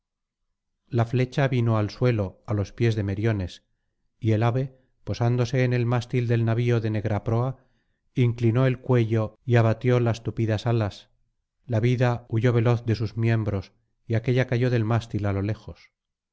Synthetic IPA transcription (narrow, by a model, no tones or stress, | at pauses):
lafle̞t͡ʃaβino̞alswe̞lo̞alo̞spje̞zðe̞me̞ɾjo̞ne̞s | ie̞laβe̞ | po̞sand̪o̞se̞ːne̞lmast̪ild̪e̞lnaβio̞ðe̞ne̞ɣɾapɾo̞a | iŋklino̞e̞lkwe̞ʎo̞iaβat̪jo̞last̪upiðasalas | laβiðauʝo̞β̞e̞lo̞θðesuzmje̞mbɾo̞s | iake̞ʎakaʝo̞ðe̞lmast̪ilalo̞le̞xo̞s